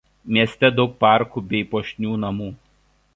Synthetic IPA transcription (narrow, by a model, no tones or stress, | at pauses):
mʲiɛsʲt̪ʲɛd̪ɒʊk̚pɑˑɾkubʲɛɪpoːʃʲnʲuːnɐmuː